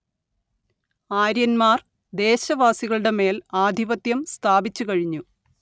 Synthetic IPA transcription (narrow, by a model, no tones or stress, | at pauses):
aːɾjɐnmaːr | d̪e̞ːɕɐʋaːsiɣɐɭɨɽe̞me̞ːlaːd̪ʱiʋɐt̪jɐmst̪ʰaːbit͡ɕːukɐɻiɲːu